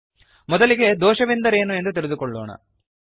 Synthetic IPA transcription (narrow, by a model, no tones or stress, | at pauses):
mɔd̪ɐliɡe̞d̪ɔːʃɐʋind̪ɐɾe̞ːnue̞nd̪ut̪iɾed̪ukɔɭːo̰ːɳɐ̰